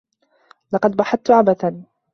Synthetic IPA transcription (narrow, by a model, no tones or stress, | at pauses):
lɑqɑd̪̚bɑħaθ̚t̪ʊʕabaθan